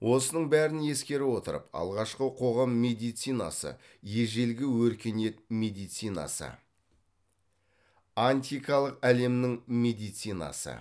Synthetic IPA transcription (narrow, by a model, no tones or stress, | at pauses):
wʔo̞sənəɴbæɾɪnje̞skʲe̞ɾɪwo̞t̪əɾə̰pɑ̰lˠʁɑʃqəqʰo̞ʁɑmːe̞d̪ijt̪sijnɑ̰sə̰ | je̞ʒe̞lɡʲɪwɵɾkʲe̞ne̞t̪̚mʲe̞d̪ijt̪sijnɑ̰sə̰ | anʲt̪ʲijkɑlˠəqæle̞mnɪŋmʲe̞d̪ijt̪sijnɑ̰sə̰